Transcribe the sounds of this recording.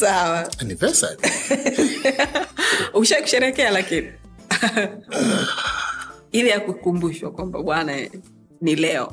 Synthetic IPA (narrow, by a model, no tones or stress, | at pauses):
sawanipɛsa̰ | uʃaku̥ʃɛɾɛkɛalakini | ilijakukumbuʃwakwamba̰ɓwana | nilɛɔ̰